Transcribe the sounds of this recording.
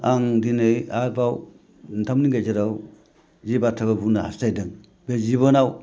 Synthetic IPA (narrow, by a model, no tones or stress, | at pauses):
aŋdinɯjabaw | ntʰamniŋɡajzaɾaw | zibatʰaɡabunaa̰stajdɯŋ | beziβɔnaw